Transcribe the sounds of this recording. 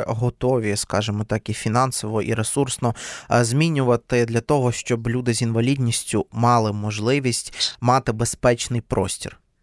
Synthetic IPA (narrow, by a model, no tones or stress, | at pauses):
ɦɔt̪ɔʋʲiskɑʒɪmɔt̪ɑkifʲinɑnsɔʋɔʔḭɾesursnɔzmʲinʲʊʋɐt̪ɪd̪lʲɐt̪ɔɦɔʃt͡ʃɔblʲud̪ɪzʲinʋɐlʲidʲnʲisʲtʲʊmɑlˠɪmɔʒlˠɪʋʲisʲtʲmɑt̪ɪbespɛt͡ʃnɪjpɾɔ̰sʲtʲḭr